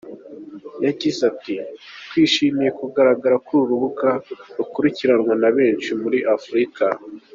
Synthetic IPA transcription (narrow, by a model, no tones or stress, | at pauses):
jaɟizatitwiːʃimije̞kuɡaɾaɡaɾakuɾuɾuβuɡaɾukuɾiciɾanwanaβe̞ːnʃimuɾiʔafɾika